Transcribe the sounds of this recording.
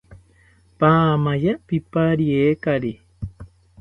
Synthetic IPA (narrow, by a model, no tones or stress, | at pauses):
pamajapipaɾiekaɾi